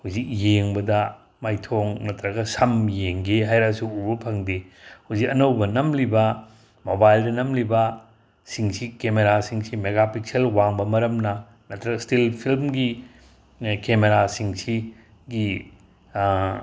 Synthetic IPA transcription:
huzik̚jeŋbɐdɐ | majtʰoŋnɐtɾɐɡɐsɐmjeŋɡeɦajɾasuubɐpʰɐŋdehuzikɐnɐwbɐnɐmlibɐ | mobajldɐnɐmlibɐ | siŋsikemeɾasiŋsimeɡapik̚selwaŋbɐmɐɾɐmnɐ | nɐtɾɐɡɐstilpʰilmɡi | kemeɾasiŋsi | ɡi

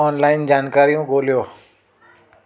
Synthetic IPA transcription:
ɔːnlaːɪnd͡ʒaːnkaːɾijõɡoːlijoː

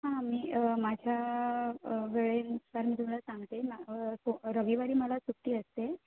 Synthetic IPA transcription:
ɦãmiːmad͡ʑʱja | ʋeɭensaɾmiːt̪um̤alasãŋɡt̪emaoɾəʋiʋaɽiːməlat͡suk̚ʈ̪iːəst̪e

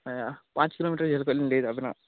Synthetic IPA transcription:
ajaːpaːt͡ʃkiloːmiːʈɐɾld͡ʒelukolinleːd̪uɐbina̰ː

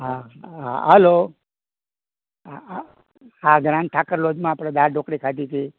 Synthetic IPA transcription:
ɦaa̰ɦəlo | aɡɾãnʈʰakəɾlod͡ʒmãːpɽed̪aɾɖokɾikʰad̪it̪ʰi

